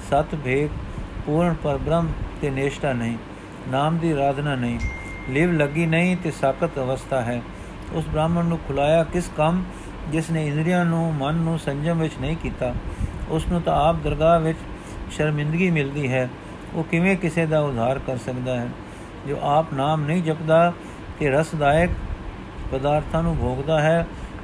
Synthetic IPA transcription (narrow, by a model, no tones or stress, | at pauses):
sət̪ʰbʱeːɡpuːɾɳpəɾbɾəmt̪eːneːʃʈaːnəĩː | naːmd̪iːɾaːd̪naːnəĩː | lɪʋləɡiːnəĩːt̪eːsaːkət̪əʋəst̪ʰaːɦɛː | ʊ̰sbɾaːmənːũːkʰʊlaːjaːkɪskəm | d͡ʒɪsneːɪ̃nd̪ɾɪjãːnũːmənːũːsəɲd͡ʒəmʋɪt͡ʃnəĩːkiːt̪aːʊsnũːt̪ãaːp̚d̪əɾɡaːʋɪt͡ʃ | ʃəɾmɪ̃nd̪əɡiːmɪld̪iːɦɛː | oːkɪʋẽːkɪseːd̪aːʊd̪ʱːaːɾkəɾsəkd̪aːɦɛː | d͡ʒo̰ːʔaːpnaːmnəĩːd͡ʒəpd̪aː | t̪eːɾəsd̪aːjək̚ | pəd̪aːɾt̪ʰãːnũːbʱoːɡd̪aːɦɛː